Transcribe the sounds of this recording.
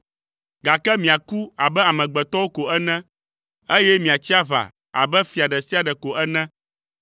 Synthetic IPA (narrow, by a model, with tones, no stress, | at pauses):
ɡa˨kɛ˦mĩ˨a˨ku˦a˨bɛ˦a˨mɛ̃˨ɡ͡bɛ˨t̪ɔ˦wo˦ko˨ɛ˦nɛ̃˦ | e˦jɛ˦mĩ˨a˨t͡ɕi˦a˦va̰˨ | a̰˨bɛ˦fi˨a˨ɖɛ˨si˦a˨ɖɛ˨ko˨ʔɛ˦nɛ̃˦